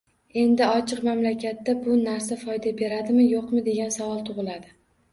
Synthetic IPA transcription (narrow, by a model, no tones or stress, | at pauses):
e̞nd̪ɪɒt͡ʃʰɨqmamlakʲat̪ːabʊnaɾsafɒjd̪abe̞ɾad̪ɪmɪjoqmɪd̪e̞ɡʲansavɒlˠt̪ʰʊʁɨlad̪ɪ